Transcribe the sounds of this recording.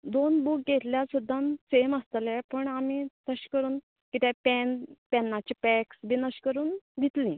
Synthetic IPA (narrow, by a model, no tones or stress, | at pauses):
d̪onbuk̚ɡet̪ljasud̪ʱːanseməst̪lepəɳamit̪əɕkəɾuːn | kit̪epɛnpɛnːat͡ɕipɛksbinəɕkəɾuːnɡʱit̪lĩ